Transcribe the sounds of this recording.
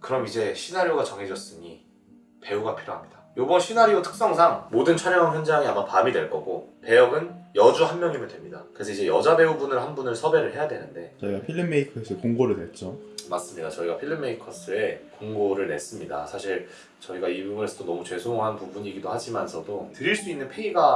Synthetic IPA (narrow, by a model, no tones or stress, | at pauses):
kɯɾʌmid͡ʑe̞ɕʰinaɾjoɡat͡ɕʌŋɦe̞d͡ʑʌs͈ɯɲi | pe̞uɡapʰiɾjoɦamɲidajobʌnɕʰinaɾjotʰɯ̥k̚s͈ʌŋsʰaŋmodɯnt͡ɕʰaɾjʌŋanjʌnd͡ʑaŋiamapamidwe̞ɭk͈ʌɡope̞jʌɡɯnjʌd͡ʑuɦanmjʌŋimɯndwemɲida̰kɯɾe̞sʰʌid͡ʑe̞jʌd͡ʑabe̞ubunɯɭɦanbunɯɭsʰʌbe̞ɾɯɭhe̞jadwe̞nɯnde̞t͡ɕʌiɡapʰiɭːimːeikʰʌs͈ʰɯkoŋɡoɾɯɭnwet͡ɕ͈o | mas͈ɯmɲidat͡ɕʌiɡapʰiɭːimːeikʰʌs͈ʰɯe̞koŋɡoɾɯɭne̞s͈ɯmɲida̰sʰaɕʰiɭ | t͡ɕʌiɡaibubune̞sʰʌdonʌmut͡ɕwe̞sʰoŋɦanpubuɲiɡidohad͡ʑimansʰʌdotɯɾiɭs͈uinːɯnpʰe̞iɡa